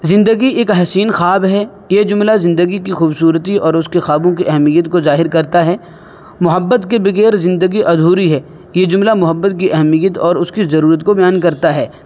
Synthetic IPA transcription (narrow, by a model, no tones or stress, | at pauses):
zɪ̃nd̪əɡieːkɦɐːsiːnxaːbɦɛ | jed͡ʒʊmlazɪ̃nd̪əɡik̬ixuːbsuːɾət̪iɔːɾʊskexaːbõkiʔɐɦɛmijət̪kozaːɦɪɾkɐɾt̪aɦɛː | mʊɦəbːət̪kebɪɣeːɾzɪ̃nd̪əɡiʔɐd̪ʱuːɾiɦɛː | jed͡ʒʊmlamʊɦəbːət̪̚kiʔɐɦmijət̪ɔːɾʊskizɐɾuːɾət̪kobɐjaːnkɐɾt̪aɦɛː